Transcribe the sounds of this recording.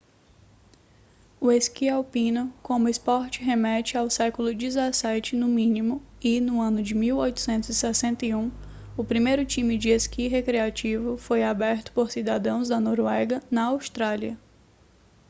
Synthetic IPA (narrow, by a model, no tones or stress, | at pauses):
ʊeskiawpĩnʊkõmʊɪspɔɾt͡ʃɪɦemɛt͡ʃɪawsɛkʊlʊd͡ʒizasɛt͡ʃɪnʊmĩnimʊ | ɪnʊɐ̃nʊd͡ʒɪmiwojt̪ʊ̥sẽnt̪ʊzisɛsẽnt̪ɐiũ | ʊpɾimejɾʊt͡ʃĩmɪd͡ʒɪeskiɦekɾiat͡ʃivʊfojabɛɾt̪ʊ̥poɾsid̪ad̪ɐ̃w̃zd̪ɐnoɾwɛɡɐnɐawst̪ɾaliɐ